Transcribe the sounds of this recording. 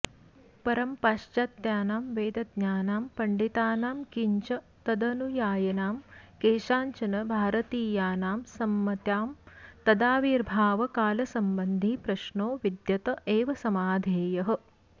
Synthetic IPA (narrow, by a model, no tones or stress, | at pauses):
pɐɾɐmpaːʃt͡ʃaːt̪jaːnaːmʋeːd̪ɐd̪̚ɲaːnaːmpɐɳɖit̪aːnaːmkiɲt͡ʃɐ | t̪ɐd̪ɐnujaːjɐnaːmkeːʃaːɲt͡ʃɐnɐbʱaːɾɐt̪iːjaːnaːmsɐmːɐt̪jaːmt̪ɐd̪aːʋiːɾbʱaːʋɐkaːlɐsɐmbɐnd̪ʱipɾɐʃnoːʋid̪jɐt̪ɐʔeːʋɐsɐmaːd̪ʱeːjɐɦɐ̆